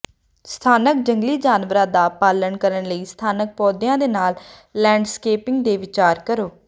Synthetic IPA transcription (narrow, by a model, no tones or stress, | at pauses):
st̪ʰaːnək̚d͡ʒəŋɡliːd͡ʒaːnʋɾãːd̪aːpaːlənkəɾənləiːst̪ʰaːnək̚pɔːd̪ɪjãːd̪eːnaːlː | ɛ̃ːɳɖskeːpɪŋɡd̪eːʋɪt͡ʃaːɾkəɾoː